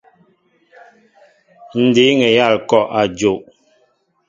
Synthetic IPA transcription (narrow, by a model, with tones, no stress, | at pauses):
n̩˨de˨˦ŋɛ˨ja˦˨lkɔ˦˨ʔa˨d͡ʒo˨ʔ